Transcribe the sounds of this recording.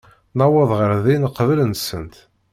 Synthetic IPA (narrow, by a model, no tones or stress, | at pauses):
nɑwəðˤʁəɾðinqːəvlənsənt̪